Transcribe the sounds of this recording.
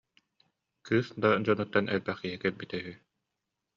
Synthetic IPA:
kʰɯːsd̪ad͡ʑɔnut̪ːanʔɛlbæχkiɦikɛɾbit̪ɛɦyː

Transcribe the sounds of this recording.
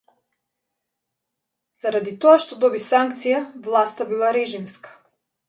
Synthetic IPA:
zaɾad̪it̪ɔaʃt̪ɔd̪ɔbisaŋkt̪sijavlˠast̪abilˠaɾɛʒimskḁ

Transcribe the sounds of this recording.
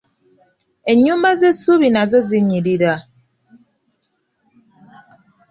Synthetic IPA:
e̞ɲːuːmbazesuβinazo̞ziɲiɾiɾa

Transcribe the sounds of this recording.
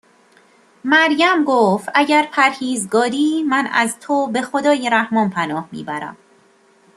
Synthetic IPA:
mæɾjæmɡoːft̪ʔæɟæɾpʰæɾhiːzɡɒːɾiːmænæ̰zt̪ʰobe̞xo̞d̪ɒːjeɾæhmɒːnpʰænɒːhmḭːbæɾæ̰m

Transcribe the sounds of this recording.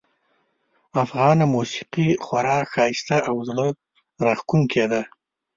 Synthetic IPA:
afɣɑnamusi̥qixwaɾɑxɑɪst̪aʔawzlə | ɾaxkuŋkʰed̪a

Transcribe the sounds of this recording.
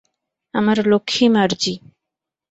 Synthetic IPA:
aməɾlokʰimaɾd͡ʑi

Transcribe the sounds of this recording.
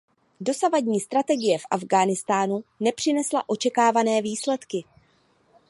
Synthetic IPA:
do̞savadɲiːst̪ɾat̪ɛɡɪjɛfʔavɡaːnɪst̪aːnunɛpr̥ɪnɛsla̰ʔo̞t͡ʃɛkaːvanɛːviːslɛt̪kɪ

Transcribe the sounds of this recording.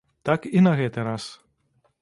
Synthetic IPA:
t̪akinɐɣɛt̪ɛɾas

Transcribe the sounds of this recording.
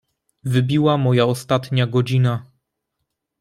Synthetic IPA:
vɘbʲiwamɔjaɔst̪at̪ɲaɡɔd͡ʑina

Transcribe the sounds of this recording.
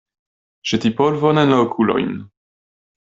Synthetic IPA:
ʒ̥ɛt̪ipɔlvɔnɛnlakʰulɔ̰jmn

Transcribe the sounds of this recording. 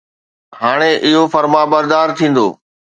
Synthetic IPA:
ɦaːɽ̃eʔɪɦofɐɾmabɐɾd̪aːɾt̪ʰĩːn̆d̪o̰ː

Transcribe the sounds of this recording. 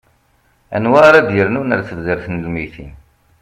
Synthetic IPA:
æ̰nwaɾad̪jəɾnunəɾθəvzəɾθnəlmiθin

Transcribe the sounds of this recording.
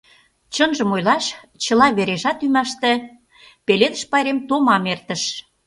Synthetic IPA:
t͡ɕə̆nʒə̆mojlɑʃ | t͡ɕə̆lɑβeɾeʒɑt̪ymɑʃt̪ĕ | peled̪ə̆ʃpɑjɾemt̪omɑmert̪ə̆ʃ

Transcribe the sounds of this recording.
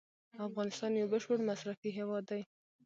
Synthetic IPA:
afɣɑnɪst̪ɑnjawbəʃpəɽmasɾafiɦewɑd̪ːaj

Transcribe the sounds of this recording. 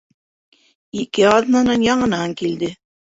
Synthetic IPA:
ikɘɑðnɑnɤnjɑɴɤ̆nɑŋkild̪ɘ

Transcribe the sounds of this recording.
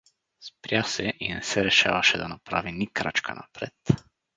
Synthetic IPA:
spɾʲjasɛʔinɛsɛɾɛʃa̰vaʃɛd̪anapɾa̰vinikɾat͡ʃkʰa̰na̰pɾɛt̪

